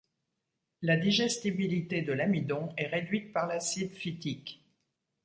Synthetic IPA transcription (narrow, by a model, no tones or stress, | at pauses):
lad̪iʒɛst̪ibilit̪ed̪əlamid̪ɔ̃ɛʁed̪ɥit̪̚paʁlasid̪fit̪ik